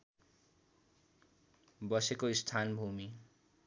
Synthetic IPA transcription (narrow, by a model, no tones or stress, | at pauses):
bʌsekoist̪ʰanbʱumi